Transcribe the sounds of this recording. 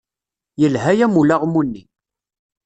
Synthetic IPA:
jəlɦæjæmulaʁmunːi

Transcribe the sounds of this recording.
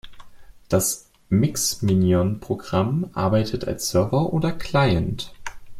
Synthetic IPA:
d̥as | mɪksminjɔnpʁ̥oɡʁamʔa̰ɐbaɪtʰətʰa̰lsz̥œɐvɐʔoːdɐkʰl̥aɪənt

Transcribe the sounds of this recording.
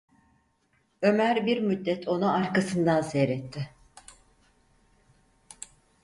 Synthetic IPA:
ø̞mæɾbiɾmyd̪ːɛt̪ʰo̞nuaɾkasɯnd̪ansɛɾɛt̪ʰːɪ

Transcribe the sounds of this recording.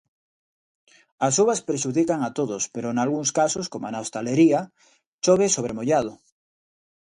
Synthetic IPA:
asuβaspɾeʃuðikaŋat̪oðospeɾonalɣuŋskasoskomanawst̪aleɾia | ʃoβesoβ̞ɾemoʎað̞o

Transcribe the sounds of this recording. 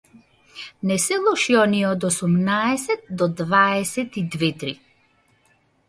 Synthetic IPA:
nɛsɛlˠɔʃiɔniɛɔd̪ɔsumnaɛsɛt̪̚d̪ɔd̪vaɛsɛt̪id̪vɛt̪ɾi

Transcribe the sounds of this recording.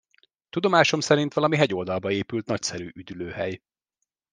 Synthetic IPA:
t̪ud̪o̞maːʃo̞msɛɾint̪ʋɒlɒmiɦɛɟo̞ld̪ɒlbɒeːpylt̪nɒcsɛɾyːʔyd̪yløːhɛj

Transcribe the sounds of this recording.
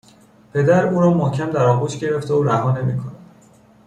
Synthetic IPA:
pʰe̞d̪æɾuːɾɒːmɒːcʲʰæmd̪æɾɒːbuːʃɟe̞ɾe̞ft̪eoɾæɦɒːne̞miːkʰonæd̥̪

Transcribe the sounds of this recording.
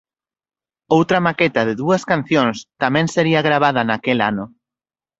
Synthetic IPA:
owt̪ɾɐmakɛt̪ɐðeðuɐskan̟θjõŋst̪amɛ̃ŋseɾiɐɣɾaβ̞að̞ɐnakela̰nʊ

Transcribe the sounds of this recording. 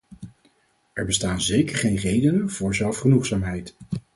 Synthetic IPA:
ɛɹbəstaːnzejkəɹχejnrejdənənv̥ʊːɹzɛlˠfχənuχsaːmɦɛjt

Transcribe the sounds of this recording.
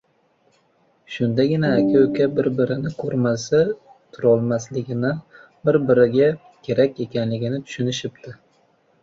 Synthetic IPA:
ʃʊnd̪aɡʲɪnaːkʲʰaokʲabɪɾbɪɾɪnɪkʰɵɾmasa | t̪ʰʊɾɒlˠmaslɪɡʲɪna | bɪɾbɪɾɪɡʲa | kʲʰe̞ɾakʲe̞kʲanlɪɡʲɪnɪt̪ʰʊ̥ʃʊnɪʃɪp̚t̪ʰɪ

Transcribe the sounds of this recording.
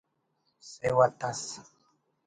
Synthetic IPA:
sewat̪as

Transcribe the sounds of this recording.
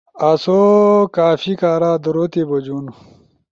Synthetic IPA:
ɐsokaːfikaːɾaːd̪uɾot̪ibod͡ʑun

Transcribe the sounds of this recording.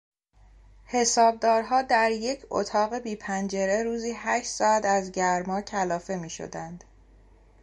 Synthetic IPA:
he̞sɒːb̚d̪ɒːɾɦɒːd̪æɾje̞cʰo̰t̪ʰɒːɣe̞biːpʰænd͡ʒe̞ɾe̞ɾuːziːhæʃt̪sɒːæt̪æzɟæɾmɒːcʰælɒːfe̞miːʃo̰d̪ænd̪̥

